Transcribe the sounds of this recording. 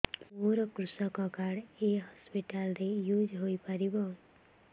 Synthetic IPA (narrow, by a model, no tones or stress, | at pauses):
moɾɔkɾusɔkɔkaɽeɦɔspiʈalɾejud͡ʒɦojpaɾibɔ